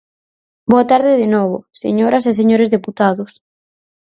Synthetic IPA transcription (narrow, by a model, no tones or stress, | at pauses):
boat̪aɾðɪðenoβ̞ʊ̰sḛɲoɾɐseseɲoɾezðeput̪aðʊs